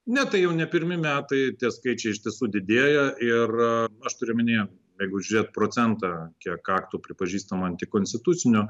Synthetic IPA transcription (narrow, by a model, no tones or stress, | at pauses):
nʲɛt̪ɐɪjɛʊnʲɛpʲɪɾʲmʲɪmʲæːt̪ɐɪt̪ʲiɛskɐɪt͡ʃʲɛɪɪʃʲt̪ʲiɛsuːd̪ʲɪd̪ʲeːɛjɛʔɪrɐʃt̪ʊɾʲɪmʲɪnʲeː | jɛɪɡʊʒʲʊɾʲeːt̪̚pɾoːt͡s̪ʲɛnt̪ɑkʲiɛkɑːkt̪uːpʲɾʲɪpɐʒʲiːst̪ɐmɐnt̪ʲɪkoːnʲsʲt̪ʲɪt̪ʊtsʲɪnʲʊ